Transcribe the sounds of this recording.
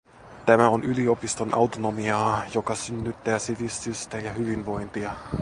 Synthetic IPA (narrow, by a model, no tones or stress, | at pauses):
t̪æmæonylio̞pist̪onʔɑ̰wt̪ono̞miɑːjo̞kɑsynːyt̪ːæːsiʋist̪yst̪æjɑɦyʋinʋo̞jnt̪iɑ